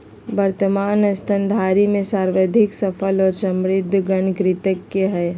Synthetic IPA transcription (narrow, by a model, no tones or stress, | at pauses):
bəɾt̪əmaːnɐst̪ənd̪ʱaːɾimẽsaːɾʋəd̪ʱɪksəpʰəlɔːɾsɐ̃mɾɪd̪ʱːɡənkɾɪt̪əkːeɦɛː